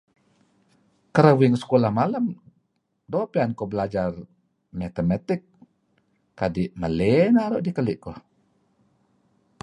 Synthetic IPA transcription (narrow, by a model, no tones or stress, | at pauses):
kəɾəwiŋsə̥kolahmaləm | dopiankɔbəlad͡ʒar | mɛt̪emat̪ɪk̚ː | adiʔməlenaɾɔʔdikəlɪʔkɔh